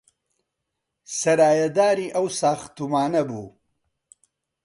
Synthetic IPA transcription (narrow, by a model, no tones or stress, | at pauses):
sɐɾaːjɐd̪aːɾiːʔɐwsaːxt̪umaːnɐbuː